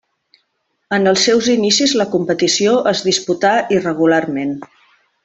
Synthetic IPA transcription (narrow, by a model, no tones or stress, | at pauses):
ənəlˠsːɛwzinisizləkumpət̪isioʔəzðisput̪airəɣularmen